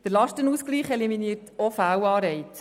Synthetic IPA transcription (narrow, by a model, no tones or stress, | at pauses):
d̪̥əɾlɑʃtənuːskliːχɛliminiːɾtofæwɑːɾɛɪt